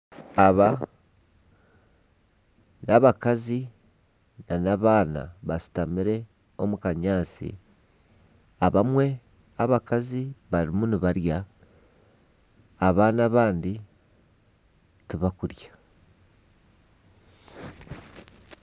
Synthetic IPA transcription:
aβa | naβakazi | nanaβaːna̰βasi̥tamiɾe̞ | omukaɲaːsḭ | aβamwe̞ | aβakaziβaɾimuniβaɾja | βaːnaβaːndi | tiβakuɾjḁ

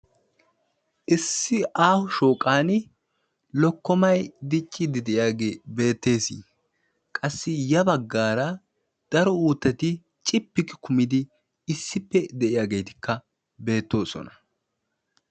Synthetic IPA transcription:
ʔɪsːɪʔaːhʊʃoːkʼaːn | lɔkːɔmɐjd̪ɪt͡ʃʼːɪd̪ɪd̪ɛʔɪjaːɡebe̞ːt̪ːe̞ːsḭː | kʼɐsːɪjɐbɐɡːaːɾɐ | d̪̥ɐɾɔuːt̪ːɐt̪ɪ | t͡ʃʼɪpːɪkːɪ̥kʰʊmɪd̪ɪ | ɪsːɪpːɛd̪ɛʔɪjaːɡe̞ːt̪ɪ̥kːɐ | be̞ːt̪ːo̞ːsɔ̰nɐ̥

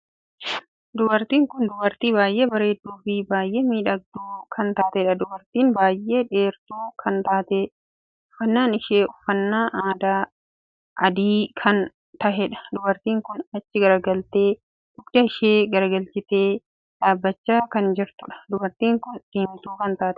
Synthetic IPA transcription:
d̪ʊbɐɾt̪iːŋkʊnd̪ʊbɐɾt̪iːbaːjʔeːbɐɾe̞ːt̪ːuːfɪbaːjʔeːmiːᶑɐɡ̚d̪uːkʰɐnt̪aːt̪ɛːᶑɐd̪ʊbɐɾt̪iːnbaːjʔːe̞ːᶑe̞ːɾt̪uːkʰɐnt̪aːt̪eːᶑ | ʊfːɐnːaːnɪʃeːɔfːɐnːaːʔaːd̪aː | ʔɐd̪iːkʰɐn | t̪ɐʔɛᶑɐ̥d̪ʊbɐɾt̪iːŋkʊnɐt͡ʃːɪɡɐɾɐɡɐlt̪eː | dʊɡd̪ɐɪʃeːɡɐɾɡɐlt͡ʃɪt̪eː | ᶑaːbːɐt͡ʃːaːkɐnd͡ʒɪɾt̪ʊᶑɐ̥d̪ʊbɐɾt̪iːŋkʊnsiːmt̪uːkɐnt̪aːt̪ɛ̥

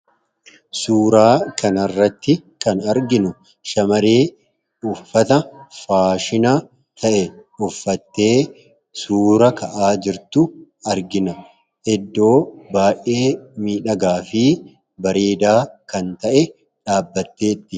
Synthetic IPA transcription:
suːɾaːkɐnɐrːɐt̪ːɪkɐnɐɾɡɪnʊ | ʃɐmɐɾeː | ʊfːɐt̪ɐfaːʃɪnaː | t̪ʰɐʔɛʊfːɐt̪ːe̞ː | suːɾɐkɐʔaːd͡ʒɪɾt̪ʊ | ɐɾɡɪnɐ | ʔɛd̪ːo̞ːbaːʔe̞ːmiːᶑɐɡaːfɪ | bɐɾeːd̪aːkɐnt̪ɐʔɛ | ᶑaːbːɐt̪ːe̞ːt̪ːɪ

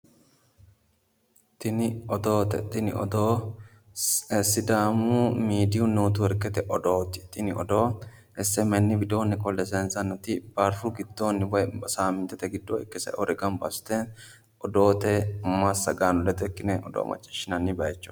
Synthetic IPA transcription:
t̪ɪnɪɔd̪oːt̪ɛ̰t̪ɪnɪ̰ɔ̰d̪oː | sɪd̪aːmuːmiːd̪ɪʊnːuːt̪ʊɛɾkɛt̪ɛʔɔd̪oːt̪ɪ̥t̪ɪnɪɔd̪oː | ʔɛsːɛmɛnːɪbɪd̪oːnːɪkʼɔlːɛsɛnsɐnːɔt̪ɪb̥ɐɾfʊɡɪd̪ːoːnːɪbɔsaːmɪnt̪ɛt̪ɛɡɪd̪ːoːɛ̰kːɛsɐ̰ʔɔɾɛɡɐmbɐ̰st̪ɛn | ʔɔd̪oːt̪ɛmːasːɐɡaːnɔlɛt̪ɛkːɪnɛɔd̪o̰ːmɐ̰t͡ʃʼːɪ̥ʃːɪnɐnːɪbɐjɛt͡ʃːʊ̥

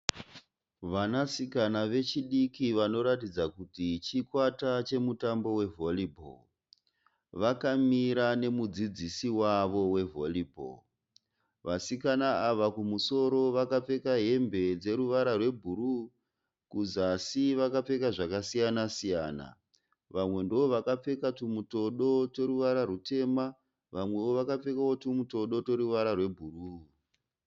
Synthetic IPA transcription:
ʋanasikanaʋe̞t͡ʃiɗikiʋano̞ɾatid͡zakutit͡ʃikwatat͡ʃe̞mutambo̞we̞vo̞libʱo̰ | ʋakamiɾane̞mud͡zid͡zisiwaʋo̞we̞vo̞libʱo̰ | ʋasikanaaʋakumuso̞ɾo̞ʋakap͡fe̞kaɦe̞mbe̞d͡ze̞ɾuʋaɾarwe̞bʱuɾu | kuzasiʋakap͡fe̞kaʐakasijanasijaːna̰ | ʋamwe̞ndooʋakap͡fe̞katumuto̞ɗo̞to̞ɾuʋaɾarute̞ma | ʋamwe̞woʋakap͡fe̞kao̞tumuto̞ɗo̞to̞ɾuʋaɾarwe̞bʱuruː

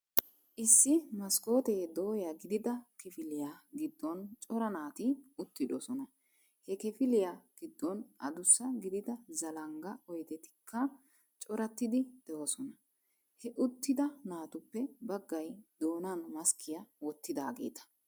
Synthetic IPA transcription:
ʔɪsːɪmɐsko̞ːt̪eːd̪o̞ːjɐɡɪd̪ɪd̪ɐkɪfɪlɪjaɡɪd̪ːɔnt͡ʃʼɔɾɐnaːt̪ɪʊt̪ːɪᶑ̪ɔsɔnɐ | hɛkɛfɪlɪjaɡ̥ɪd̪ːɔnʔɐd̪ʊsːɐɡɪd̪ɪd̪ɐzɐlɐŋɡɐɔjd̪ɛt̪ɪ̥kʰːɐ | t͡ʃʼɔɾɐt̪ːɪd̪ɪd̪̥ɛʔɔsɔnɐ | hɛʔʊt̪ːɪd̪ɐnaːt̪ʊpːɛbɐɡːɐjd̪̥o̞ːnanmɐskʰɪjɐwɔt̪ːɪd̪a̰ːɡe̞̰ːt̪ɐ̥

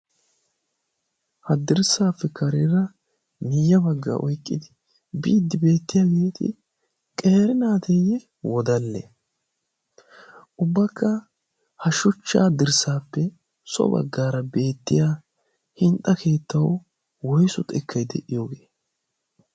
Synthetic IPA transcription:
hɐd̪ɪɾsaːpːɛkʰɐɾɪɾɐ | mɪjːɐbɐɡːa̰ːʔɔjkʼːɪd̪ɪ | bḭːd̪ːɪbe̞ːt̪ːɪjaɡiːt̪ɪ̰ | kʼe̞ːɾɪnaːt̪ɛjɛ | wɔd̪ɐlːḛ | ʔʊbːɐkːɐ | hɐʃʊt͡ʃːa̰ːd̪ɪɾsaːpːɛ | sɔ̰bɐ̰ɡːaːɾɐbe̞ːt̪ːɪjaː | hɪnt̪ʼːɐkʰeːt̪ːɐw | wɔjsʊt̪ʼɛkʰːɐjd̪ɛ̰ʔɪjoːɡeː

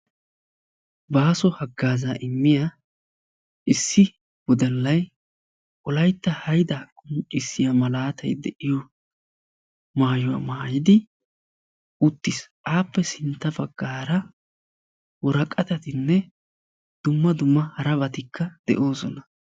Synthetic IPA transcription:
baːsɔhɐɡːaːzaːʔɪmːɪja | ʔɪsːɪ | wɔd̪ɐlːɐj | ʔɔlɐjt̪ːɐhɐjd̪ɐkʼʊnt͡ʃʼɪsːɪjamɐlaːt̪ʰɐ̰jd̪ɛ̰ʔɪjɔ | maːjʊwa̰maːjɪd̪ɪ | ʔʊt̪ːɪsʔaːpːɛsɪnt̪ːɐbɐɡːaːɾɐ | wɔɾɐkʼːɐt̪ɐt̪ɪnːɛ | d̪̥ʊmːɐd̪ʊmːɐhɐɾɐbɐt̪ɪkʰːɐd̪̥ɛ̰ʔo̞ːsɔnɐ

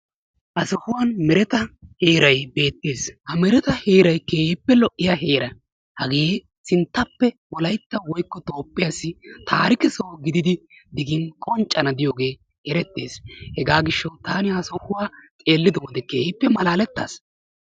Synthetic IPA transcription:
ʔɐsɔhʊwɐnmɛɾɛt̪ɐheːɾɐjbe̞ːt̪ːeːshɐmɛɾɛt̪ɐheːɾɐjkeːhɪpːɛlɔʔːɪjɐɦeːɾɐ | hɐɡeː | sɪnt̪ːɐpːɛ | wɔlɐjt̪ːɐwɔjkːɔt̪o̞ːpʼːɪjɐsːɪt̪ʰaːɾɪkɪsoːɡɪd̪ɪd̪ɪ | d̪ɪɡɪnkʼɔnt͡ʃʼːɐnɐd̪ɪjoːɡe̞ː | hɛɾɛt̪ːe̞̰ːshɛɡaːɡɪʃːɐwt̪aːnɪhɐsɔhʊwaːt͡sʼeːlːɪd̪ɔwɔd̪ɛkeːɪpːɛmɐlaːlɛt̪ːa̰ːs

